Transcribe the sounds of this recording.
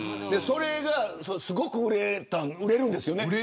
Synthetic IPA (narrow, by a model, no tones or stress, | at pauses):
d̪e̞so̞ɾe̞ɡasosɨɡo̞kɯ̟ɯɾet̪ãnɯɾe̞ɾɯ̟̃nd̪e̞sɨjo̞ne